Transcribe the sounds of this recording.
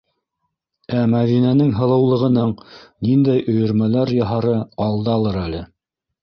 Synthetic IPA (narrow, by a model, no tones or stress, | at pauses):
æmæðinænɘŋɦɤ̆lˠɤ̆wlˠɤ̆ʁɤ̆nɤɴnind̪æjʔɵ̆jɵ̆ɾmælæɾjɑɦɑɾɤɑlˠd̪ɑlˠɤɾælɘ